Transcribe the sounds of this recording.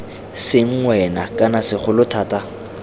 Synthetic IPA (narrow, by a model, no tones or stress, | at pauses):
sɪŋ̩ŋwɛnakʼanasɪχʊlʊtʰaːta